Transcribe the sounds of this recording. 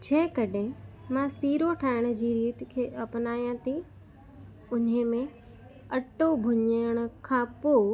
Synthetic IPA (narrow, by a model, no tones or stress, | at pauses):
d͡ʑʱẽɦɪ̃kɐɗẽmãsiːɾoʈʰaːɪɽ̃ə̆d͡ʑiːɾiːt̪kʰeːʔɐpnaːjãt̪ʰi | ʊnɦemẽ | ɐʈobʱʊɲəɽ̃ə̆kʰãːpoː